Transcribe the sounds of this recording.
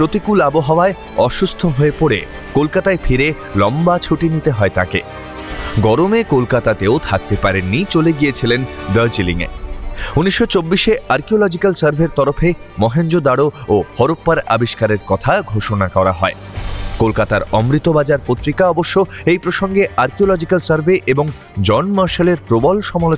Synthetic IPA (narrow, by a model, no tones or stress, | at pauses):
pɾot̪ikulaboɦaoae | ɔʃust̪ʰoɦoepoɽḛ | kolkat̪aefʰiɾe | lɔmbat͡ɕʰuʈinit̪eɦɔet̪a̰kḛ | ɡɔɾomekolkat̪at̪eot̪ʰak̚t̪epaɾenːit͡ɕoleɡijet͡ɕʰilend̪ɔjd͡ʑiliŋḛuniʃːot͡ɕobːiʃeʔaɾkiolɔd͡ʑikalsəɾbʱeɾt̪ɔɾofe | mɔɦend͡ʑod̪aɽoohɔɾopːaɾa̰biʃkaɾeɾkɔt̪ʰaɡʱoʃonakɔɾaɦɔe | kolkat̪aɾɔmɾit̪obad͡ʑaɾpot̪ːɾikaɔboʃːoejpɾoʃoŋɡeʔaɾkiolɔd͡ʑikalsaɾbʱeʔeboŋ | d͡ʑɔnmaɾʃaleɾpɾobolʃɔmalo